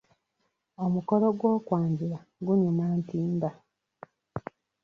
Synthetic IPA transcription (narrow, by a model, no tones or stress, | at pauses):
o̞muko̞lo̞ɡwo̞ːkwaːɲɟiɾa | ɡuɲumaːntiːnda